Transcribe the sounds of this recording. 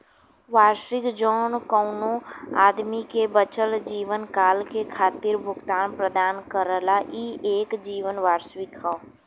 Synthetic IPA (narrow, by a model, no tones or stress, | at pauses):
ʋaːɾsɪkd͡ʒɔːnkəʊnõaːd̪mikebət͡ʃəld͡ʒiːʋənkaːlkekʰaːt̪ɪɾbʱʊɡt̪aːnpɾəd̪aːnkəɾəlaʔiːeːkd͡ʒiːʋənʋaːɾsʋɪkɦa